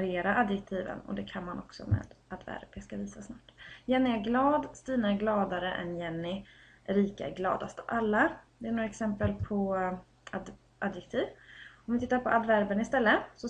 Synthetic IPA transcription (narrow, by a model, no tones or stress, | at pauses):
ɾɪeːɾaʔad̪jɛk̚t̪ʰiːvə̰nɔ̰d̪ɛkʰanmanʔɔksɔ̰mɛ̰ːd̪̥ad̪væ̰ɾb̥askaviːsasnɑːʈːjɛnːɪæɾɡlɑːd̪st̪iːnaæɾɡlɑːd̪aɾəʔɛ̰njɛnːɪ | ɾiːkaɛ̰ɾɡlɑ̰ːd̪ast̪əalːad̪ɛæɾɳoːɾaɛksɛmpəlpʰɔ | ad̪ | ʔad̪jɛk̚t̪ʰiːvɔmvɪt̪ʰɪt̪ːaɾpɔʔad̪væɾbənɪst̪ɛlːəsɔ